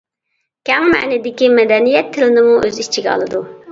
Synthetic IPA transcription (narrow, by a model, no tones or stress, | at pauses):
kʲʰɛŋmɛ̰nɪd̪ɪkʲimɛd̪ɛnijɛt̪ʰːɪlɪnɪmuʔøzit͡ʃʰiɡʲɛɑ̰lˠɨd̪u